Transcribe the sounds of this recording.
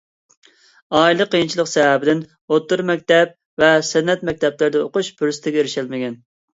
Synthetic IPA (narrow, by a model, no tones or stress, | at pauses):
ɑːilˠəqʰəjint͡ʃʰilˠəqsɛɦæbɪd̪ɪn | ot̪ːʊɾmɛk̚ʲt̪ɛp̚ | vɛsɛnːɛt̪mɛk̚ʲt̪ʰɛplɪɾd̪ɛoqʊʃbyɾst̪ʰɪɡʲɛeɾɪʃɛlmɪɡʲɛn